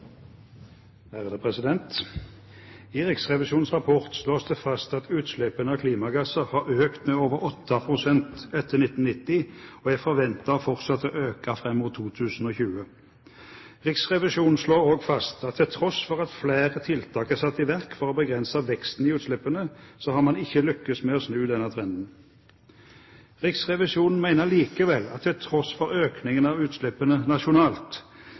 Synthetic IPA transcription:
æʁd̪əpʰʁɛsɪd̪ɛnt̪ | iʁɪksʁɛʋɪʃuːn̩sʁɑpʰɔʁt̪sloːsd̪ɛfɑst̪ɑt̪ʉːt̪slɛpːənəɑːkʰliːmɑɡæsəʁhɑʁøːkt̪meoːʋəʁɔt̪ʰːɑpʰʁʊsɛnt̪ɛt̪ːəʁnɪt̪ːn̩nɪt̪ːɪoæfɔʋɛnt̪ɑfɔʁt̪sɑt̪ːəʔøːkɑfʁɛmːʊt̪ʰːuːt̪ʰʉːsn̩oːçʉːə | ʁɪksʁɛʋɪʃuːnn̩sloːoːɡfɑst̪ɑt̪ʰːɪlt̪ʰʁɔsfɔʁɑt̪fleːʁət̪ʰɪlt̪ʰɑːkəsɑt̪ːɪʋæʁkfɔʁɔbəɡʁɛnsɑʋɛkst̪n̩ɪʉːt̪slɛpːənəsɔhɑmɑnɪçːəlʏkːəsmeːɔsnʉːd̪ɛnət̪ʰʁɛnd̪n̩ | ʁɪksʁɛʋɪʃuːnn̩mæɪnəliːkəʋɛlːɑ̰t̪ʰːɪlt̪ʰʁɔsfɔʁøːknɪŋənɑʋʉːt̪slɛpːənənɑʃʊnɑːlt̪

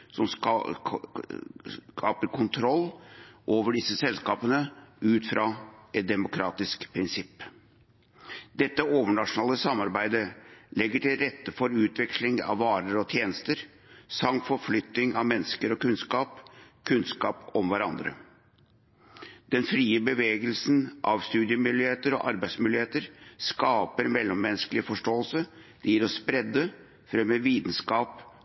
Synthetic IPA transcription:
sɔm | kʰɑːpəɾkʰʊnt̪ʰɾɔlːʔoːʋəɖɪsːəsɛlskɑːpənəʉːt̪fɾʔɑːʔɛt̪̚d̪ɛmʊkʰɾɑːt̪ɪskpʰɾɪnsɪpː | d̪ɛt̪ːəoːʋəɳɑʂʊnɑːləsɑmːɑɾbæɪd̪əlɛɡːəʈɪlɾɛt̪ːəfɔɾʉːt̪ʋɛkslɪŋɑ̰ʋʋːɑːɾəɾɔt̪ʰjeːnəst̪əɾ | sɑŋfɔɾflʏt̪nɪŋɑʋmɛnːəskəɾɔkʉnskɑːpkʰʉnskɑːpɔmʋæɾɑnd̪ɾə̰ | d̪̥ɛnfɾiːəbəʋeːɡəlsnʔɑʋst̪ʉːd̪ɪəmʏlɪheːt̪əɾɔ̰ʔɑɾbæɪsmʉːlɪheːt̪əɾskɑːpəɾmɛlːɔmːɛnːskəlɪəfɔʂʈoːəlsə | d̪̥jiːɾɔspɾɛd̪ːə | fɾɛmːəʋiːt̪n̩skɑːp

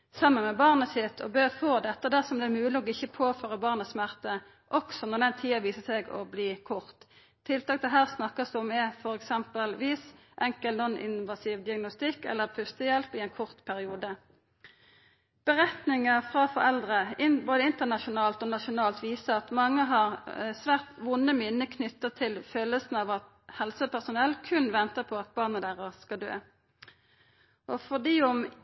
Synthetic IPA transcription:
sɑmːənmɛbɑːʁnəsɪt̪ʰːɔ̰bøːʁfoːd̪ɛt̪ːəd̪æʁsɔmd̪ɛːmʉːləɔɪçːəpʰoːføːʁəbɑːʁnəsmæʁt̪ə | ʔɔksɔnɔʁd̪ɛnt̪ʰiːɑʋiːsəsɛɡɔ̰bliːkʰʊʁt̪ʰː | ɪlt̪ɑːk̚t̪ʰɪlɦæːʁsnɑkːəsd̪ɔmɛfɔʁɛksɛmpəlʋiːs | ʔɛŋkəlnɔnɪ̰nʋɑsiːʋd̪ɪɑɡnʊst̪ɪkːɛ̰lːəpʰʉst̪əjɛlpɪɛnkʰʊʁt̪pʰæʁɪuːd̪ə | b̥əʁɛt̪nɪŋəʁfʁɑfɔʁɛld̪ʁəɪboːd̪əɪnt̪ənɑʃʊnɑːlt̪oːnɑʃʊnɑːlt̪ʋiːsəɑt̪mɑŋːəɦɑʁsʋæːʁt̪ʋʊnːəmɪnːəkʰnʏt̪ːət̪ʰɪlføːləlsn̩ɑʋɑt̪ | hɛlsəpʰæʁsʊnɛlːkʰʉnʋɛnt̪əpʰɔɑt̪̚bɑːʁnəd̪æʁəʁskɑld̪ø̰ː | ʔɔfɔʁd̪iːʊm

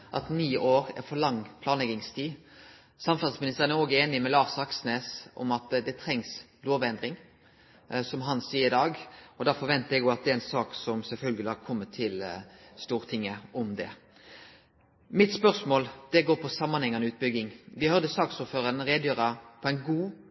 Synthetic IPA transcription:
ʔɑ̰t̪niːʔoːɾæ̰fɔlɑŋːpʰlɑːnlɛɡɪŋst̪ʰiː | sɑmfɑt̪smɪnɪst̪əʁənɛʁoːɡəeːnɪmɛlɑːʁsɑksneːsɔ̰mɑt̪d̪ɛt̪ʰʁɛŋs | loːʋɛnd̪ɾɪŋ | sɔmɦɑnsiːəɪd̪ɑːɡɔd̪ɑfɔʋɛnt̪əɛɡɔɑt̪̚d̪ɛɛnsɑːksɔmsɛlfœlɡəlɪhɑɾkʰɔmːət̪ʰɪlst̪uːɾt̪ʰɪŋːəʔɔmd̪ɛ̰ | mɪt̪spœʁsmoːld̪̥ɛɡoːɾpʰɔsɑmːɑnhɛŋːɑnəʉːt̪̚bʏɡːɪŋʋɪhœɾʁd̪əsɑːksuːɾføːɾənɾeːd̪jøːɾəpʰɔɛɪnɡuː

